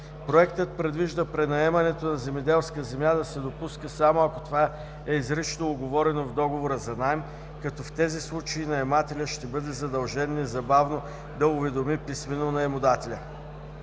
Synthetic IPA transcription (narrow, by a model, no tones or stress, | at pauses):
pɾoɛk̚t̪ət̪̚pɾɛd̪viʒd̪əpɾɛnɐɛmɐnɛt̪onɐzɛmɛd̪ɛlˠskəzɛmʲjad̪ɐsɛd̪opuskəsamoɐko̥t̪ova | ɛizɾiʃnoːɡovɔɾɛnovd̪ɔɡovoɾəzɐnajm | kɐt̪ɔft̪ɛzislˠut͡ʃɐinɐɛmat̪ɛlʲəʃt̪ɛbɤd̪ɛzɐd̪ɐlˠʒɛnɛzɐbavno | d̪ɐʊvɛd̪omipisminonɐɛmod̪at̪ɛlʲə